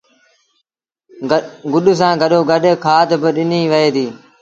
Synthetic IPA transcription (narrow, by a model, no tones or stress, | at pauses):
ɡʊɗs̬ãːɡəɗoːɡəɗkʰaːt̪bəɗɪniːʋəeːd̪iː